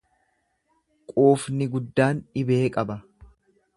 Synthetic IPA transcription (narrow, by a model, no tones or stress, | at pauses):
kʼoːfnɪɡʊd̪ːaːnᶑɪbeːkʼɐbɐ